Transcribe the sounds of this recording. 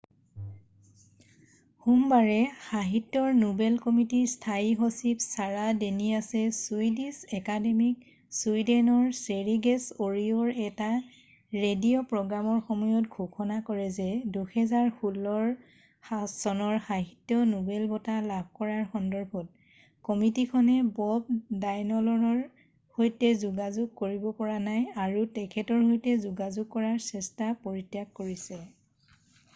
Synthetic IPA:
xumbaɹɛxaɦitːɔɹnubɛlkomitiɹstʰajɦosipsaɹadeniasɛsuidisɛkademik̚ | suidɛnɔɹseɹiɡɛsoɹiɔɹɛta | ɹedijɔpɹɔɡɹamɔɹxomujɔt̚ɡʱukʰɔnakɔɹɛzɛduxɛzaɹxulːɔɹ | asɔnɔɹxaɦitːjɔnubɛlbɔtalabʱkɔɹaɹxɔndɔɹbʱɔt̚ | kɔmitikʰɔnɛbɔb̚dajnɔlɔɹɔɹ | hojtɛzuɡazuɡ̚koɹibɔpɔɹanajaɹutɛkʰɛtɔɹhojtɛzuɡazuɡ̚kɔɹaɹsɛstapoɹitjakkoɹisɛ

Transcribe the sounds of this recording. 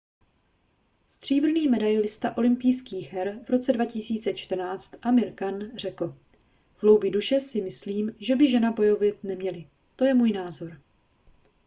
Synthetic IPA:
st̪r̝̥iːbr̩niːmɛdajlɪst̪aʔo̞lɪmpijskiːxɦɛɾvɾo̞t͡sɛdvacɪsiːt͡sɛt͡ʃt̪r̩naːt͡st̪ʔamɪɾkanr̝ɛkl̩ | vlowbɪduʃɛsɪmɪsliːmʒɛbɪʒɛnabo̞jo̞vɪt̪̚nɛmɲɛlɪ | t̪o̞jɛmuːjnaːzo̞ɾ

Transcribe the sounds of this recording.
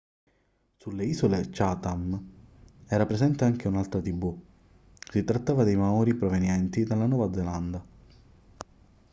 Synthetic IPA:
sulːeiːzolet͡ʃat̪am | ɛːɾapɾezɛnt̪eaŋk̟eunalt̪ɾat̪ibu | sit̪ɾat̪ːaːvad̪ejmaɔːɾipɾovenjɛnt̪id̪alːanɔːvad̪zeland̪a

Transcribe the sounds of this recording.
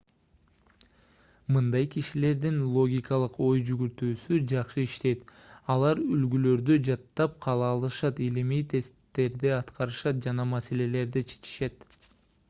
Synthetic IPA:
mɯnd̪ɑjkiʃile̞ɾd̪inlˠo̞ɡʲikɑlˠɯqo̞jd͡ʒyɡyɾt̪yːsyd͡ʒɑqʃɯiʃt̪e̞jt̪ɑlˠɑɾylɡylø̞ɾd̪yd͡ʒɑt̪ːɑp̚qʰɑlˠɑːlˠɯʃɑt̪ilimijt̪ʰe̞st̪ːe̞ɾd̪iɑt̪qɑɾɯʃɑt̪̚d͡ʒɑnɑmɑse̞le̞le̞ɾd̪it͡ʃʰe̥t͡ʃi̥ʃe̞t̪

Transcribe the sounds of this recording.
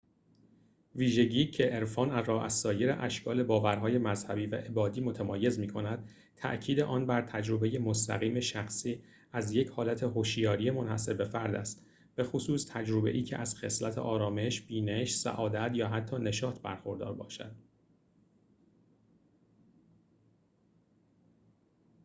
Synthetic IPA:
viːʒe̞ɟiːcʰeʔeɾfɒːnærɒːæsɒːje̞ɾḛʔæʃkʰɒːle̞bɒːvæɾɦɒːje̞mæzhæbiːvæ̰ʔe̞bɒːd̪iːmo̞t̪ʰæmɒːje̞zmiːkʰo̞næd̪̥̚ | t̪ʰæ̰ʔcʰiːd̪e̞ʔɒːnbæɾt̪ʰæd͡ʒɾo̞be̞je̞most̪ʰæ̰ɣiːme̞ʃæxsiː | æzje̞cʰhɒːlæt̪ʰe̞ɦoʃjɒːɾije̞mo̞nhæse̞be̞fæɾd̪æst̪ | b̥e̞xosuːst̪ʰæd͡ʒɾo̞be̞̰ʔiːcʰeʔæz̥xe̞slæt̪ʰḛʔɒːɾɒːme̞ʃb̥iːneʃsæ̰ʔɒːd̪æt̪ʰjɒːɦæt̪ʰːɒːne̞ʃɒːt̪ʰbæ̰ɾxo̞ɾd̪ɒ̰ːɾbɒ̰ːʃæ̰d̪̥̚

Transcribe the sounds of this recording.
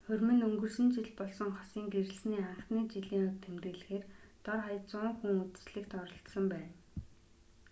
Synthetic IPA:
χɵrʲmɵ̆nɵŋɡɵ̆rsɵ̆nt͡ɕiɮpɔɮsɞ̆ŋχɔ̥siːŋɡeɾɘ̆ɮsniːaɴχniːt͡ɕiɮiːŋʊk̚t̪ʰemt̪ɘ̆ːɮɘ̆xeːrt̪ɔrχajə̆t͡sʊːŋxuŋut͡sɘ̥̆sɮĭkt̪ɔɾɞ̆ɬt̪sə̆mpæːn

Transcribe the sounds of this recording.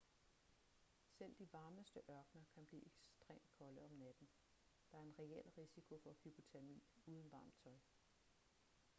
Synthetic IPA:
sel̰d̥iʋɑ̈ːməsd̥əʔɶɐɡ̥nɐkʰænb̥lḭːʔeɡ̥sd̥ʁḛːmd̥̚kʰɒ̽ləɒ̽mnæd̥n̩ | d̥ɑ̈æɐe̝nʁɛel̰ʁisikʰo̝fɒ̽hyb̥o̝t͡sʰeɐmḭːuːð̞ˠn̩ʋɑ̈ːmt͡sʰɒ̽ɪ

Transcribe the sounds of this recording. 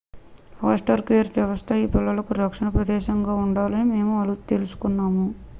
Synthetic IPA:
aːsʈɐɾkeːɾjɐʋɐst̪ʰɐiːpilːɐlɐkuɾɐkʂɐɳɐpɾɐd̪ɛːʃɐŋɡaːuɳɖaːlɐnime̞ːmuɐlut̪e̞lusu̥kunːaːmu

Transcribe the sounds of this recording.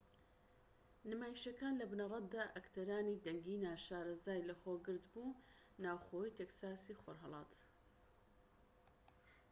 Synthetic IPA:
nɨmaːjiʃɐkaːnlɐbnɐrˤɑt̪̚d̪aːʔɐkt̪ʰɐɾaːniːd̪ɐŋɡiːnaːʃaːɾɐzaːjlɐxoːɡɨɾd̪buː | naːwxojiːt̪eksaːsiːxoɾɦɑlˠɑːt̪

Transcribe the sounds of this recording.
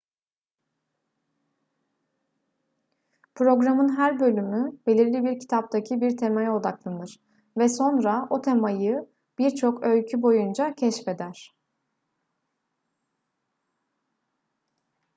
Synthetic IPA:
pʰɾo̞ɡɾamɯnɦæɾbølʲymybe̞lʲiɾlʲibiɾcʰi̥t̪ʰap̚t̪ʰacʰibiɾt̪ʰemajo̞d̪aklˠanɯɾ̥ | vɛso̞nɾao̞t̪ʰe̞majɯ | b̥iɾt͡ʃʰo̞kølʲcʰybo̞jund͡ʒacʰɛʃfe̞d̪æɾ̥

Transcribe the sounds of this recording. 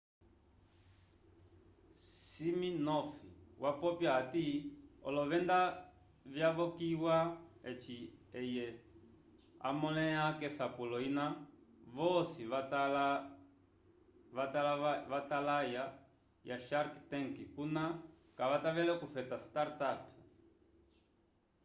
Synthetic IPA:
siminɔfiwʔapɔpjaatiɔ̰lɔvɛnda | vjavɔkiwaɛt͡ʃiɛjɛ | a̰mɔlɛakɛsapulɔinavɔsiatl | vatalvatalaja | jaʃaɾktɛŋkikuna | kaʋataʋɛlɛkufɛtastaɾtap

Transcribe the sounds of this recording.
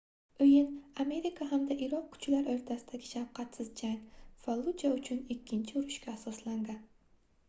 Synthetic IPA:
ɵjɪname̞ɾikʰaɦamd̪aʔɪɾɒq̚kʰʊ̥t͡ʃlaɾoɾt̪ʰasɪd̪aɡʲɪʃawqʰɑt̪sɪzd͡ʒaŋfalˠut͡ʃaʊt͡ʃʰʊnɪkʲʰːɪnt͡ʃʰɪʊɾʊʃkʲaːsɒslaŋd̪ɪ

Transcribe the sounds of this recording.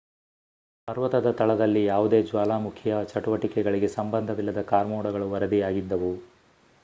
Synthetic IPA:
pɐɾʋɐt̪ɐd̪ɐt̪ɐɭɐd̪ɐlːijaːʋud̪e̞ːd͡ʒʋaːlaːmukʰːjɐt͡ʃɐʈuʋɐʈikɛɡɐɭiɡe̞sɐmbɐnd̪ʱɐʋilːɐd̪ɐkaːɾmuːɽɐɡɐɭuʋɐɾɐd̪ijaːɡid̪ːɐʋu

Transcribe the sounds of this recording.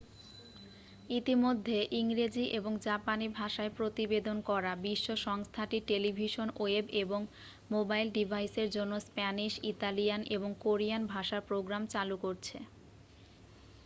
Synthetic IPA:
it̪imod̪ʱːeʔiŋɾed͡ʑiʔeboŋd͡ʑapanibʱaʃaepɾot̪ibed̪onkɔɾabiʃːoʃɔŋst̪ʰaʈiʈelibʱiʃonoebeboŋ | mobajlɖibʱajseɾd͡ʑonːospɛniʃit̪alijaneboŋkoɾijanbʱaʃaɾpɾoɡɾamt͡ɕalukoɾt͡ɕʰḛ

